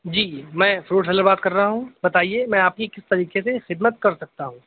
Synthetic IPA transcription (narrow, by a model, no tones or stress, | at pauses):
d͡ʒiːmɛ̃ːfɾoːʈsɛləɾbaːt̪kɐɾːɐɦaɦũbɐt̪aːiemɛ̃ːaːp̚kikɪst̪ɐɾiːkesexɪd̪mət̪̚kɐɾsɐk̚t̪aɦũː